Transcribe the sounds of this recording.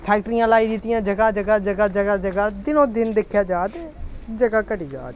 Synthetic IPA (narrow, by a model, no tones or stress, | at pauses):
pʰɛːk̚ʈəɾijãːlaːiːd̪ɪt̪ɪjãːd͡ʒəɡaːd͡ʒəɡaːd͡ʒəɡaːd͡ʒəɡaːd͡ʒəɡaːd̪ɪnõːd̪ɪnd̪ekʰjaːd͡ʒaːd̪eːd͡ʒəɡaːkəɖiːd͡ʒa̰ːd̪